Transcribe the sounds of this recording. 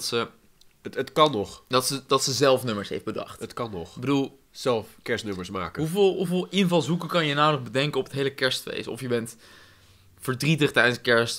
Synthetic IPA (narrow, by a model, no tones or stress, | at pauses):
tsə | tətkɑnɔχdɑtsədɑtsəzɛlˠfnɵməɹsɦḛjftbədɑ̰χtətkɑnɔχbədulˠ | z̥ɛlˠfkɛɹstnɵməɹsma̰ːkəɦuvɪlˠɦuvɪːlˠɪnvɑlˠzukəkɑnjənawnəχbədɛŋkəɔpətɦejləkɛɹstfḛjsɔ̰fjəbɛnt | fəɹdritəχtɛjdənskɛɹst